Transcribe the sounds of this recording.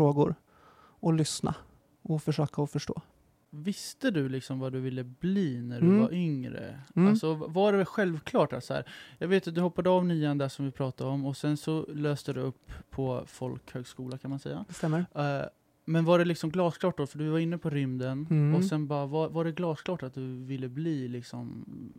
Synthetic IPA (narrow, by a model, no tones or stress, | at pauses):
oːɡʊɾ | ɔlʏsna̰ | ɔfœʂøːkaɔfœʂʈo̰ː | vɪst̪əd̪ɵlɪksɔmvaɖɵvɪlːəbliːnæɖɵvaɾʔʏŋɾə̰alsɔvaɖɛɧɛlvkʰlɑːʈa̰t̪sɔhæ̰ːɾjɑːɡveːt̪̚d̪ɵhɔpːad̪əɑvnyːand̪æʂɔmvɪpʰɾɑːt̪ad̪ɔmːɔsɛnsɔløːst̪əd̪ɵɵpʰːɔfɔlkhøːɡskuːlakʰanmansɛ̰jːa̰st̪ɛmːə | mɛnvaɖɛlɪksɔmɡlɑːskʰlɑːʈ̪̚ɔfœɖɪvaɾɪnːəpʰɔɾʏmd̪ənɔsɛnbɑːɾavavaɖɛɡlɑːskʰlɑːʈat̪̚d̪ɵvɪlːəbliːlɪksɔm